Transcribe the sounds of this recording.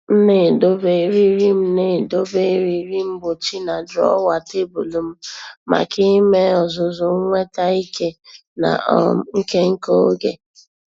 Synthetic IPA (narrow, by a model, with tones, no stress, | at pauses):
n̩˦ne˦˨do˦be˨ɾi˦ɾi˦m̩˦ne˦˨do˦be˦ɾi˨ɾi˦m̩˦bʊ˨t͡ʃi˦na˨dɾɔ̰˦wa˨te˦bu˨lu˨m̩˦ma̰˨ki˦me˦ɔ˨zʊ˨zʊ˨ŋ̩˦ŋʷe˦ta˦i˦ke˦ | na̰˨ɔ˦ŋ̩˦ke˦ŋ̩˦ko˦o˦ɡḛ˨